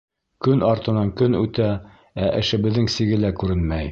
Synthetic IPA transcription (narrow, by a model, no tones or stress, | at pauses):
kɵnɑɾt̪ɤ̆nɑŋkɵnʉt̪æ | æʔɘ̆ʃɘ̆βɘ̆ðːɘŋsiɡɘlækʉɾɘnmæj